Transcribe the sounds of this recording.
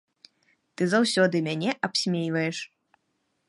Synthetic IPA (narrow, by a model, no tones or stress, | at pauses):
t̪ɨzawsʲɔd̪ɨmʲanʲɛʔapsʲmʲejvɐjɛʂ